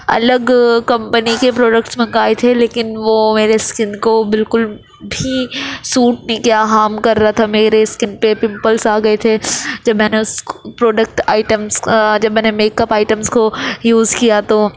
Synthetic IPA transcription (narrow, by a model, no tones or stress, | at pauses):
ɐ̰ləɡkɐ̃mpənikepɾoːɖəkʈsmɐ̃ŋɡaːet̪ʰeleːkɪnʋomeːɾeskɪ̃nkobɪlkʊl | bʱisuːʈ̚nĩkjaːɦaːmkɐɾːaat̪ʰameːɾeskɪnpepɪ̃mpəlsaːɡɐet̪ʰed͡ʒɐbmɛːneʊspɾoːɖək̚ʈaːɪʈəmsd͡ʒɐbmɛːnemeːkəpaːɪʈəmskojuːzkijat̪o